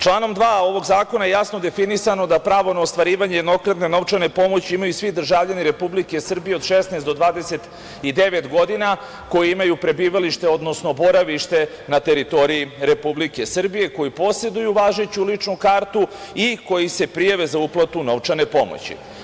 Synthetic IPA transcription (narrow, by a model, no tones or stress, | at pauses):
t͡ʃlˠaːno̞md̪ʋaːo̞ʋo̞ɡzaːko̞najejasno̞d̪e̞finisano̞d̪apɾaːʋo̞naost̪ʋaɾiːʋaɲejed̪no̞kɾad̪ne̞no̞ʋt͡ʂane̞po̞mo̞t͡ɕiimajusʋid̪r̩ʒaːvʎaniɾe̞publike̞sr̩bije̞od̪ʃesnaɛsd̪o̞d̪ʋaːd̪e̞se̞t̪ | id̪e̞ʋet̪ɡo̞d̪ina | ko̞jiimajupɾe̞biːʋaliʃt̪e̞o̞d̪no̞sno̞bo̞ɾaʋiʃt̪e̞ | nat̪e̞ɾit̪o̞ɾijiɾe̞publike̞sr̩bije̞ko̞jipo̞se̞d̪ujuʋaːʒet͡ɕulit͡ʂnukaːɾt̪uiko̞jise̞pɾijaʋe̞zauplˠat̪uno̞ʋt͡ʂane̞po̞mo̰t͡ɕḭ